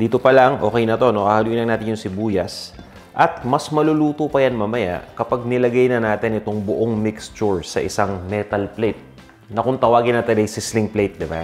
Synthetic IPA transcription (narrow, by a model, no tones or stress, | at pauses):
d̪iːt̪opɐlɐŋʔo̞ːkɛjnɐt̪o̞no̞ʔaːhaluʔinɐŋnaːt̪ɪnjʊŋsɪbuːjɐs | ʔɐt̪̚mɐsmɐlʊluːt̪opɐjanmaːmɐja̰ʔkɐpaɡ̚nɪlɐɡajnɐnaːt̪ɪnɪt̪oŋbʊʔoŋmɪkst͡ʃʊɹsɐ̰ʔɪsaŋmɛt̪ɐlplejt̪̚ | nɐkʊnt̪ɐwaːɡɪnɐt̪ɐlɐjsɪslɪŋplejt̪̚d̪ɪba̰